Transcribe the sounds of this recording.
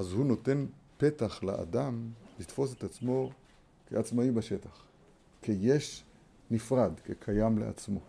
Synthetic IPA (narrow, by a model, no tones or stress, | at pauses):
ʔazhuno̞t̪e̞npe̞t̪aχla̰ʔa̰d̪amlit̪fo̞s̬et̪at͡smo̞ | keat͡smaibaʃe̞t̪aχ | kʰejeʃ | nifʁad̪kekʰajamlḛa̰t͡smo̞̰